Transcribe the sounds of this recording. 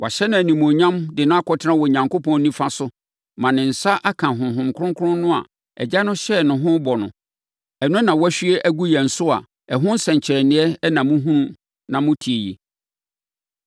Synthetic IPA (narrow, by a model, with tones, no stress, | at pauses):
wa̰˨ɕɛ˦nã˨æ˨nĩ˨mõ˨ɲã˦mdɪ˨nã˦a˦kʰɔ˨tʰɪ˦ɾã˦wɔ˨ɲã˨ŋko˦pɔ̃˦n˦nĩ˦fa˦sʊ˦ | mã˨nɪ̃˨n̩˨sa˦ʔa˦kʰã˨ɦʊ̃˨mɦʊ̃˨mkʰɾʊ̃˦ŋkʰʊ˦ɾʊ̃˦n˦nʊ̃˦a̰˨ | ɛ̰˨d͡ʑa˦nʊ̃˦ɕɛ˦nʊ̃˨ɦʊ̃˦bɔ˨nʊ̰̃˨ | ɛ˨nʊ̃˦nã˨wɔ˦æ˦ɕᶣɥɛ˦ʔæ˦ɡu˦jɛ˨n̩˨sʊ˦a̰˨ | ɛ˨ɦʊ̃˦n̩˦sɛ̃˨ɲ˨t͡ɕʰɪ˨ɾɛ˨nɪ̃˦ɛ˦nã˨mʊ̃˦ɦũ˦nũ˦ | nã˨mʊ̃˦tʰi˨e˨ji˨